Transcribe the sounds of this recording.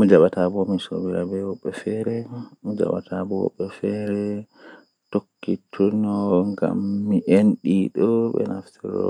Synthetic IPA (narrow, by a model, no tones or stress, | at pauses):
mid͡ʒaɓatabɔminsobiɾabɛwɔɓːɛfɛɾɛmud͡ʒa̰ɓa̰tʰabɔwɔ̰ɓɛfɛɾɛ | tokːitʰunɔŋɡa̰mːiʔenɗiɗɔɓɛ̰naftiɾɔ